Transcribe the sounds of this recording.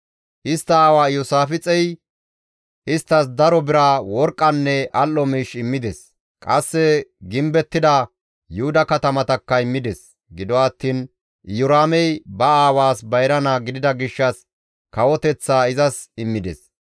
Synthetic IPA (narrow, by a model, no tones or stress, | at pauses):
ʔɪst̪ːɐaːwaːjɔsaːfɪt͡sʼɛj | ʔɪst̪ːɐs̬d̪ɐɾɔbɪɾawɔɾkʼːɐnːɛʔɐlːɔmiːʃɪmːɪd̪ɛs | kʼɐsːɛɡɪmbɛt̪ːɪd̪ɐ | jʊhʊd̪ɐkɐt̪ɐmɐt̪ɐkːɐɪmːɪd̪ɛs | ɡɪd̪ɔɐt̪ːiːn | jʊɾaːmɛjbɐaːwaːsbɐjɾɐnaɡɪd̪ɪd̪ɐɡɪʃːɐs | kɐwɔt̪ɛt͡sːaːɪzɐsɪmːɪd̪ɛ̰s